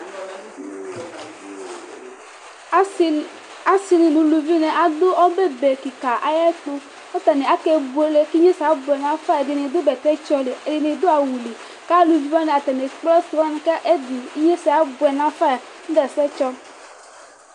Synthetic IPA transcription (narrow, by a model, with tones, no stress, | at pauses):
a˦si˦ni˨nũ˨˦lu˨vi˦nɛ˨ʔa˨d̪ʊ˦ɔ˦be˦be˨ki˨ka˨ʔa˨jɛ˦k͡pu˦ | ɔ˦t̪a˨ne˨a˦ke˦bu˨e˨˦le˦ki˦ɲe˦sa˨bʊ˨ɛ˨nã˨fa˦ɛ˨di˨ne˨d̪ʊ˦bɛ˨t̪ɛ˦t͡ʃɔ˦le˨e˨di˨ne˨d̪o˦a˨wu˨li˨ | ka˦lu˨vi˦va˦nɛ˨a˨t̪ɛ˨ne˨˦k͡pɔ˦su˨va˦n˦ka˦ʔe˦di˨i˦ɲe˦sɛ˨a˨˦bʊ˨ɛ˨nã˨˦fa˦ja˨ | n̩˦dɛ˨sɛ˦t͡ʃɔ˦